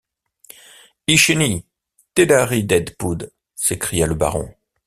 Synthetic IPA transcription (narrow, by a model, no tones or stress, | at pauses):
iʃeni | t̪ed̪aʁid̪ɛd̪pud̪ | sekχijaləba̰ʁɔ̰̃